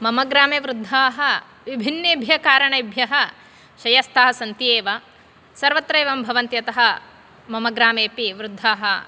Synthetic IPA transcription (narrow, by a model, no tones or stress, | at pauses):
mɐmɐɡɾaːmeʋɾud̪ʱːaːɦɐ | ʋibʱinːeːbʱjɐkaːɾɐɳɐjbʱjɐɦɐ̆ | ʃɐjɐst̪ʰɐɦɐ̆sɐnt̪ieːʋɐ | sɐɾʋɐt̪ɾɐjʋɐmbʱɐʋɐnt̪jɐt̪ɐɦɐ | mɐmɐɡɾaːmeːpiʋɾud̪ʱːaːɦɐ